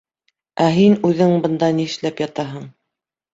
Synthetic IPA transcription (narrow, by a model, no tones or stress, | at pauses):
æɦinʉðɘŋbɤ̆nd̪ɑnĭʃlæpjɑt̪ɑɦɤɴ